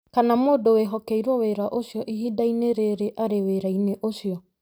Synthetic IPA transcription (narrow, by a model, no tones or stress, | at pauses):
kanamoːdoweɦɔkɛiɾwɔweɾaʔoʃjɔʔiɦidaineɾeɾeʔaɾeweɾaineʔoʃjɔ